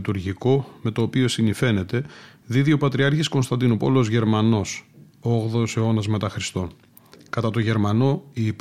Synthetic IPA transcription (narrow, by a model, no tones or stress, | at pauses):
t̪uɾʝiko̞me̞t̪o̞ːpio̞sinife̞ne̞t̪e̞ðiðio̞pɐt̪ɾiɐɾçisko̞nst̪ɐnd̪inupo̞lozʝe̞ɾmɐno̞s | oɣðose̞o̞nɐzme̞t̪ɐxɾist̪o̞n | kɐt̪ɐt̪o̞ʝe̞ɾmɐno̞iːp